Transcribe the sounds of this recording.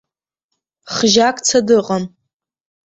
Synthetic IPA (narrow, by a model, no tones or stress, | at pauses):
χʒakʼt͡sʰadɨqʼam